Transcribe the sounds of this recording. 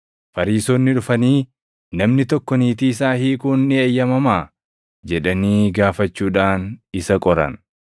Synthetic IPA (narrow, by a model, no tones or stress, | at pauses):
fɐɾiːsoːnːɪᶑʊfɐniː | nɐmnɪt̪ɔkːɔniːt̪̬iːɪs̬aːhiːkʊnːɪɐjːɐmɐmaː | d͡ʒɛᶑɐniːɡaːfɐt͡ʃːuːᶑaːnɪsɐkʼɔɾɐ̰n